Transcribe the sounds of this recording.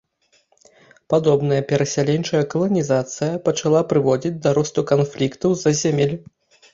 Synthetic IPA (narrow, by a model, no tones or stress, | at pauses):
pad̪ɔbn̪ɐjɐpʲɛɾɐsʲalʲɛnt͡ʂɐjɐkɐlˠɐnʲizat̪sɨjɐpɐt͡ʂalˠapɾɨvɔd͡zʲid͡zʲd̪ɐɾɔst̪ukanflʲikt̪ɐwzɐzʲamʲɛlʲ